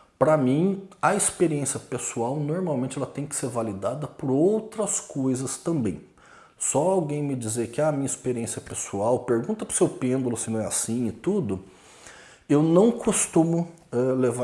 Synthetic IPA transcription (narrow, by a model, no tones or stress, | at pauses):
pɾɐmĩɐispeɾiẽsjɐpesuawnoɾmawmẽnt͡ʃɪɛlɐt̪ẽj̃kɪ̥seɾvalid̪ad̪ɐpʊɾowt̪ɾɐskojzɐst̪ɐ̃mbḛ̃j̃ | sɔawɡẽj̃mɪd͡ʒizeɾkɪaɐmĩɲɐispeɾiẽsjɐpesuawpeɾɡũnt̪ɐpʊɾsewpẽnd̪ʊlʊsɪnɐ̃w̃ɛasĩɪt̪ud̪ʊ | ewnɐ̃w̃kʰost̪ũmʊ | ɛleva